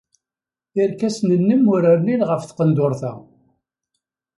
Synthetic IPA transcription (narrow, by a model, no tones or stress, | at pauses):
ɪɾkæsnənːəmʊɾæɾninʁəfθqənd̪ʊɾˤθæ̰